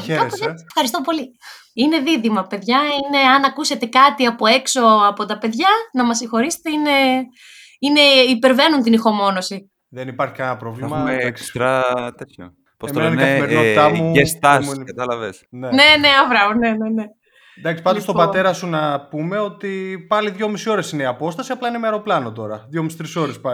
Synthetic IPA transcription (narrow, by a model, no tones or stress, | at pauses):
eozefxɐɾist̪o̞po̞li | ine̞ðiðimɐpe̞ðʝɐine̞ɐnɐkuse̞t̪e̞kɐt̪iɐpo̞e̞kso̞ɐpo̞t̪ɐpe̞ðʝɐnɐmɐsːĩxo̞ɾise̥t̪eine̞ | ine̞ipe̞ɾve̞nunt̪inixo̞mo̞no̞si | ðenipɐɾçikɐnɐpɾovlɐumekst̪ɾɐt̪et̪ço̰ | posmt̪oenɐnɐeθimeɾinot̪ɐmuest̪ɐskɐt̪ɐlɐvesnene̞ne̞ɐvɾɐnene̞ne̞ | d̪ɐksi̥pɐnd̪ost̪obɐt̪e̞ɾɐsunɐpume̞o̞t̪ipɐliðʝo̞misio̞ɾe̞sineiɐpo̞st̪ɐsiɐplɐineimeɐɾo̞plɐnot̪o̞ɾɐðʝomisi̥t̪ɾiso̞ɾespɐ